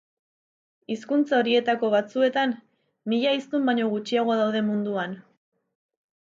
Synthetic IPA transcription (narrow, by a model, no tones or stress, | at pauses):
iskunt͡sao̞ɾie̞t̪ako̞βat͡sue̞t̪anː | iʎaist̪umbaɲo̞ɣut͡ʃiaɣ̞o̞aðawðe̞mund̪uan